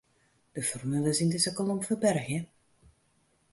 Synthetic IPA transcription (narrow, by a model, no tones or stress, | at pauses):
d̥əfɔrmylˠəzindɪzəkɔlˠomfəbɛrxjə